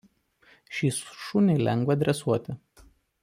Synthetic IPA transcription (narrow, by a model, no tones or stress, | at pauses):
ʃʲiːsʃʊnʲelʲɛŋɡʋɐd̪ʲɾʲɛsuɔt̪ʲɪ